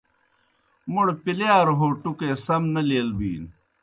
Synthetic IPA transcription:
muɽpileaːɾɦoːʈukeːsɐmnɐliɐlbiːn

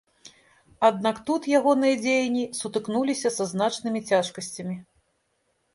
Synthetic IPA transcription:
ad̪̚nakt̪ut̪jaɣɔnɨjɐd͡zʲejɐnʲisut̪ɨknulʲisʲɐsɐznat͡ʂnɨmʲit͡sʲaʂkɐsʲt͡sʲɐmʲi

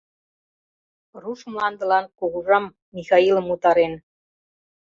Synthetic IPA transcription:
ruʃmlɑnd̪ɤ̆lɑnkuɣuʒɑmːixɑilə̆mut̪ɑɾen

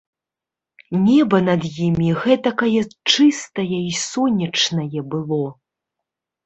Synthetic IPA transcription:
nʲɛbɐnɐd̪jimʲiɣɛt̪ɐkɐjɛt͡ʂɨst̪ɐjɐisɔnʲɐt͡ʂnɐjɛbɨlˠɔ

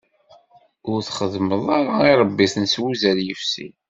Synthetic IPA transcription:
ʊɾθχəðməðˤɑɾaiɾˤəbːiθənswuzæɾjəfsḭ

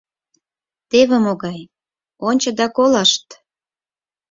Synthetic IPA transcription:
t̪eβemoɣɑj | onʲt͡ɕɤ̆d̪ɑkolɑʃt̪

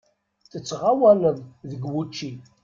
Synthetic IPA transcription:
θət͡sːʁawænəðˤðəɡwut͡ʃːi

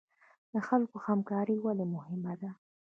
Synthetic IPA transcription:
d̪̥əxalkohamkɑɾiwalemʊhɪmad̪a

